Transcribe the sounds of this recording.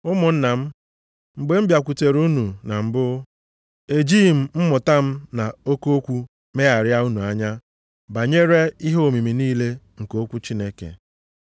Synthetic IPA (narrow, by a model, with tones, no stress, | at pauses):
ʊ˦mʊ˨n̩˦na˨m̩˦ | ŋ͡m̩˨ɡ͡be˨m̩˦bja˨kʷu˨te˨ɾu˦nu˨na˨m̩˨bʊ˦ | e˨d͡ʒiː˦˨m̩˦m̩˦mʊ˨ta˦m̩˦na˨o˦ko˦o˦kʷu˦ | me˦a˨ɾja˦u˦nu˨a˦ɲa˦ | ba˨ɲe˦ɾe˦i˦ɦo˨mi˨mi˨niː˦le˦ŋ̩˨ko˦kʷu˦t͡ʃi˦ne˦kḛ˨